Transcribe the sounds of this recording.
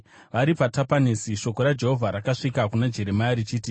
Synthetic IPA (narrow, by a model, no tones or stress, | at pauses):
ʋaɾipatapanesiʃo̞ko̞ɾad͡ʒe̞ɦovʱaɾakaʂikakunad͡ʒe̞ɾe̞majaɾit͡ʃiːti